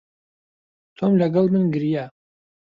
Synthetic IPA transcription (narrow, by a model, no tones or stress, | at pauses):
tʰomlʲaɡɐlmɨnɡɨrija